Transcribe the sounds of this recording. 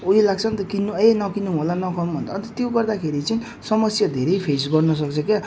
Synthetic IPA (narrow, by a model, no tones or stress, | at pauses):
uelaɡt͡sʰʌnt̪ʌkinːuenʌkinuɦolanʌkʰʌnubʱʌnt̪ʰaːnt̪ʌt̪joɡʌrd̪akʰeɾit͡sʌĩ | sʌmʌsjad̪ʱeɾejpʰesɡʌrnʌs̬ʌkt͡sʰʌkja